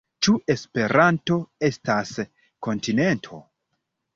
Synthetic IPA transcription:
t͡ʃuʔe̞spe̞ɾanto̞e̞stas | ko̞ntine̞ntʰo̞̰

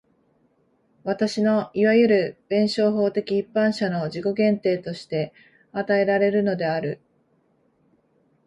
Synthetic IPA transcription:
βat̪aɕino̞iβajɯ̟ɾɯ̟b̥ẽ̞ɰ̃ɕo̞ːɦo̞ːt̪e̞kʲiːpːãɰ̃ɕano̞ʑiko̞ɡẽ̞nt̪e̞ːt̪o̞ɕi̥t̪e̞ | at̪ae̞ɾaɾe̞ɾɯ̟no̞d̪e̞aɾɯ̟

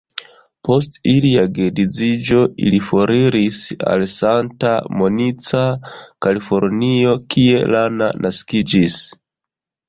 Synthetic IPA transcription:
po̞stiliaɡedizid͡ʒo̞ʔḭlifoɾiɾisa̰lsanta̰mo̞nit͡sakalifo̞ɾnio̞kʰie̞lana̰nʔaskid͡ʒis

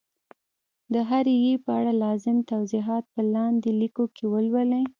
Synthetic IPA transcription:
d̪əɦaɾjepəaɽalɑzɪmt̪awziɦɑt̪̚pəlɑnd̪elikokʰewəlwəle

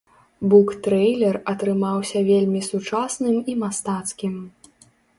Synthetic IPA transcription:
bukt̪ɾɛjlʲɛrɐt̪ɾɨmawsʲɐvʲelʲmʲisut͡ʂasnɨmimast̪at̪skʲim

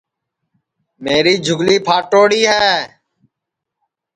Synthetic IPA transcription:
meːɾiːd͡ʒʱʊɡliːpʰaːʈoːɽiːɦɛː

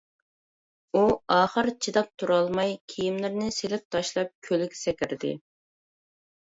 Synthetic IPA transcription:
uɑːχəɾt͡ʃʰid̪ɑp̚t̪ʰuɾɑlˠmɑjkʲʰijimlɪɾnɪselɪp̚t̪ʰɑʃlˠɑp̚kʲʰølɪɡʲɛ̥sɛkʲɪɾd̪ɪ̰

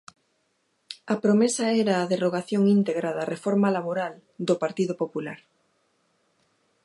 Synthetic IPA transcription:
ɐpɾomesɐɛɾaːðeroɣaθjoŋint̪eɣɾaðɐrefɔɾmalaβoɾal | d̪opaɾt̪iðʊpopulaɾ

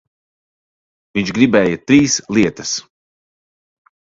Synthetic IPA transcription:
viɲt͡ʃɡɾibɛːjɐt̪ɾiːslˠiɛt̪ɐs

